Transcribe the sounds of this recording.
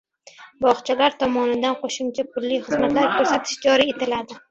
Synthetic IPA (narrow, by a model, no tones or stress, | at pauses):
bɒχt͡ʃʰalaɾt̪ʰɒmɒnɪd̪anqʰoʃʊmt͡ʃʰapʰʊlːɪχɨzmat̪laɾkʰɵɾsat̪ʰɪ̥ʃd͡ʒɒɾie̞t̪ʰɪlad̪ɪ